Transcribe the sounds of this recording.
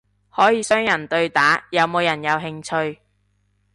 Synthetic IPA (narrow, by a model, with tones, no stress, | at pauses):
hɔː˨˥jiː˨˧sœː˥ŋjɐ˨˩nt̪ɵ˧ɥt̪aː˨˥jɐ˨˧wmo˨˧wjɐ˨˩njɐ˨˧wɦɪ˧ŋt͡ʃʰɵ˧ɥ